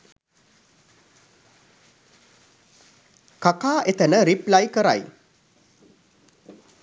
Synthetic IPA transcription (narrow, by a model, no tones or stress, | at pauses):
kakaːʔet̪ənəɾiplajkəɾa̰j